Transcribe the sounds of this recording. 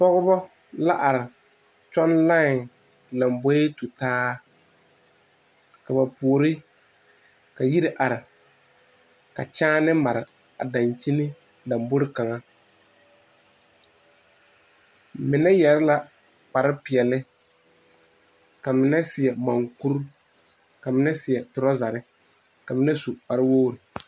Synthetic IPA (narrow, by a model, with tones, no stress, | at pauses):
pɔ˦ɣʊ˦bɔ˦ | la˦ʔa˨ɾɪ˨ | t͡ʃɔ˦nla˦˨ŋ | la˨mbɔ˦e˦tu˨taː˦ | ka˨ba˨pu˨o˨ɾɪ˦ | ka˨ji˦ɾɪ˦ʔa˨ɾɪ˨ | ka̰˨t͡ʃaː˦nɪ˦ma˨ɾɪ˨ | a˨da˨nt͡ʃi˦nɪ˦ | da˨mbʊ˦ɾɪ˦ka˨ŋa˦ | mɪ˨nɛ˦jɛ˨ɾɪ˦la˨ | k͡pa˨ɾɪ˦pɪ˨ɛ˨lɪ˦ | ka˨mɪ˨nɛ˦sɪ˨ɛ˨ma˨ŋku˦ɾ | ka˨mɪ˨˦nɛ˦sɪ˨ɛ˨tʊ˨ɾɔ˦za˨ɾɪ˦ | ka˨mɪ˦nɛ˦su˨k͡pa˨ɾɪ˦woː˦ɾɪ˨